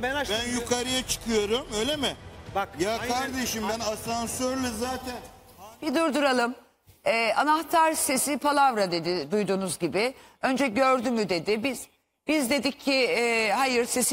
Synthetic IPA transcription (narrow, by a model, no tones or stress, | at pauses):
bænjukʰaɾɯjat͡ʃʰɯ̥kʰɯjo̞ɾumøjlʲemɪjaːkʰaɾd̪e̞ʃimbænasansøɾlʲɛzaːt̪ʰæn | b̥id̪uɾd̪uɾalˠɯm | ɛːʔanaht̪ʰaɾse̞sipʰalˠavɾad̪e̞d̪ɪd̪ujd̪uːnuzɟibɪø̞nd͡ʒɛɟø̞ɾd̪ymyd̪e̞d̪ɪbiz̥ | b̥izd̪e̞d̪icʰːiɛhajɯɾse̞s